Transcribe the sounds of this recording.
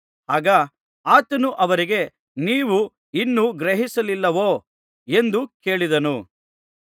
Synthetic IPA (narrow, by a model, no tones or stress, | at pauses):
ɦaːɡɐ | aːt̪ɐnuʔɐʋɐɾiɡe̞ | niːʋu | inːuɡɾeɦisɐlilːɐʋoː | e̞nd̪uke̞ːɭid̪ɐnu